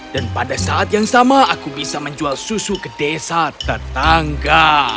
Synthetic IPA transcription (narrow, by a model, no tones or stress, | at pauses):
d̥anpadasaʔat̪̚jaŋsamaakubisaməɲd͡ʒualsusukədesat̪ət̪aŋɡa